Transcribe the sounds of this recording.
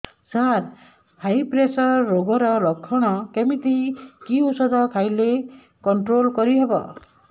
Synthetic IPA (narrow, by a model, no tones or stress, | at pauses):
saɾ | hajpɾesɔɾːoɡɔɾɔlɔkʰːɔɽ̃ɔkemit̪ikiusɔd̪ʱɔkʰajle | kɔɳʈɾolkɔɾiɦebɔ̰